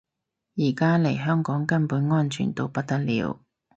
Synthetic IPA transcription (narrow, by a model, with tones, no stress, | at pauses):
jiː˨˩kaː˥le˨˩jɦœː˥ŋkɔː˨˥ŋkɐ˥npuː˨˥nŋɔː˥nt͡ʃʰy̰ː˨˩nt̪o˥wpɐ˥t̚t̪ɐ˥t̚lḭː˨˧˥w